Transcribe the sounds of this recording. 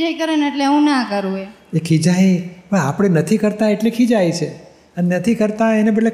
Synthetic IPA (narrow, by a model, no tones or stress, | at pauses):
d͡ʒajkəɾeneʈleũnakəɾũeekʰid͡ʒajʋəapɽ̃enət̪ʰikəɾt̪aeʈlekʰid͡ʒajt͡ʃʰe | ənenət̪ʰikəɾt̪aenebəʈle